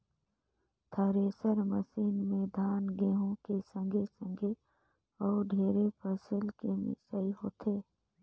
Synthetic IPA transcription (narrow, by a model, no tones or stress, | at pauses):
t̪ʰəɾesəɾməsiːnmẽd̪ʱaːnɡeːɦõkesə̃ŋɡʱesə̃ŋɡʱe | ɔːɾɖʱeːɾepʰəsɪlkemɪ̰səiɦoːt̪ʰeː